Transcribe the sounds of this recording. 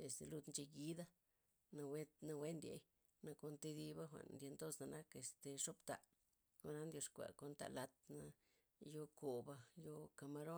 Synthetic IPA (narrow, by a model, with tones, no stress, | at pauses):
e˨st̪e˧lu˧d̪nt͡ʃe˧ɡi˦d̪a˦ | na˧we˦t̪na˧we˦nd̪ʲḛ˧˨j | na˧ko˧nt̪e˧d̪i˧ba˦xʷa̰˨ʔnd̪je˧nd̪o˦sna˧na˦ke˧st̪e˨ʂo˦pt̪a˨ | xo˧na˦nd̪ʲjo˧ʂkʷa̰˨ko˧nt̪a̰˧la˧t̪na˧ | jo˧ko˨ba˧jo˧ka˧ma˧ɾo˦